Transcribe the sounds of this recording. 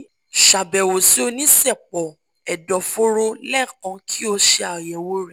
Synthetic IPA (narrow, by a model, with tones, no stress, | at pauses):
ʃa˨bɛ˨wo˨si˨˦o˧nĩ˦sɛ˦˨k͡pɔ˨ | ɛ˨dɔ˨fo˦ɾo˧lɛ˦˨kã˨˧kʰi˦o˧ʃe˧a˨jɛ˨wo˧˦ɾɛ˨